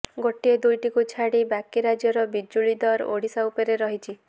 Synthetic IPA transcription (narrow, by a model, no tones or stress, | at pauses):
ɡoʈied̪ujʈikut͡ʃʰaɽibakiɾad͡ʒjɔɾɔbid͡ʒuɭid̪ɔɾo̰ɽisaupeɾeɾɔɦit͡ʃʰi